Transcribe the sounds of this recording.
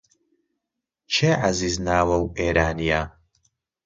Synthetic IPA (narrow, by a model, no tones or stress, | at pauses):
t͡ʃʰeːʕaziːznaːwɐweːɾaːnijaː